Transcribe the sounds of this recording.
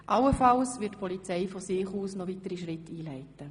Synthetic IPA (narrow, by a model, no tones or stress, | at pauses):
ʔɑlːəfɑlsʋɪtpʰɔlit͡sɛɪfɔsɪːχuːsnɔʋitəɾiʃʁɪtʰːiːlɛɪtə